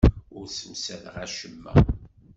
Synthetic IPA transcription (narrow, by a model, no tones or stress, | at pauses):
ʊɾsusælʁæʃəmːæ̰